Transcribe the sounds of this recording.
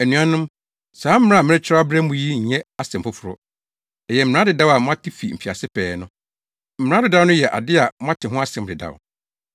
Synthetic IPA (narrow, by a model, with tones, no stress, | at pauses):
æ˨nũ˨a˦nʊ̃˦m | sãː˨˦m̩˦ɾã˦˨mɪ̃˦ɪ˦t͡ɕʰa˦a˦bɾɛ˦m̩˦ʊ̃˨ji˦ɲ̩˨ɲɛ̃˦a˨sɛ˨m̩˨pʊ˦fʊ˨ɾʊ̰˦˨ | jɛ˨m̩˨m̃˨ã˦dɪ˨da˦wa˨mʊ̃˦ã˦tʰɪ˦fi˨m̩˨fi˨a˨sɪ˦pʰɛː˨nʊ̃˦ | m̩˨m˨ã˦dɪ˨da˦nʊ̃˦jɛ˨ʔa̰˨dɪ˦a˨m˦ã˦tʰɪ˨ɦʊ̃˦a˦sɛ̃˨˦m˨dɪ˨da̰˨w